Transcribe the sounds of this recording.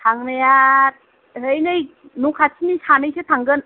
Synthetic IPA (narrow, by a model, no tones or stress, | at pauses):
tʰaŋnajat̪̚ | ɦɯjnɯjnukʰat͡ɕʰinisanɯjsʰɯt̪ʰaŋɡɯn